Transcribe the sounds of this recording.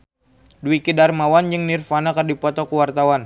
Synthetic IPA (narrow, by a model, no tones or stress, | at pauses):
duikidarmawand͡ʒɨŋnirfanakərdipɔt̪ɔkuwart̪awan